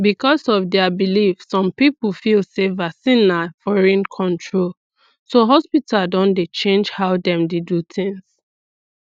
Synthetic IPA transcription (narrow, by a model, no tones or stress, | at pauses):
bikɔsɔvdɛabilifsɔ̃mpipl̩filsevasĩnafɔɹĩnkʰɔ̃ntʰɹol | soɦɔspitadɔ̃ndet͡ʃẽnd͡ʒhaʊdɛ̃mdidutɪ̃ŋs